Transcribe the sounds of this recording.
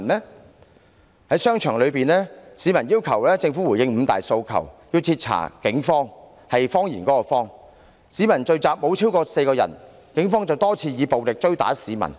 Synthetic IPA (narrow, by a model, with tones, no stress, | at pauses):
nmɛː˥ | hɐ˨˥jsœː˥ŋt͡ʃʰœː˨˩ŋlɵ˨˧ɥpiː˨nlɛː˥siː˨˧mɐ˨˩njiː˥wkʰɐ˨˩wlɛː˥t͡sɪ˧ŋfu˨˥wuː˨˩jɪ˧ŋm̩ː˨˧t̪a̰ː˨jso˧wkʰɐ̰˨˩wji˧wt͡sʰiː˧t̚t͡sʰa̰ː˨˩kɪ˨˥ŋfɔː˥ŋ | hɐ˨jfɔː˥ŋjiː˨˩nkɔː˨˥kɔː˧fɔː˥ŋ | siː˨˥mɐ˨˩nt͡ʃɵ˧ɥt͡saː˨p̚mo˨˧˥wt͡sʰiː˥wkɔː˧se˧jkɔː˧jɐ̰˨˩n | kɪ˨˥ŋfɔː˥ŋt͡sɐ˨wt̪ɔː˥t͡sʰiː˧jiː˨˧po˨wlɪ˨k̚t͡ʃɵ˥ɥt̪a̰ː˨˥siː˨˥mɐ̰˨˩n